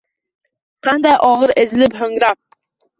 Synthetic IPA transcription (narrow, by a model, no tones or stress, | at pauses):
qʰɑnd̪ɛjʔɑʁəɾezɪlɪpɦøŋɾɑq̚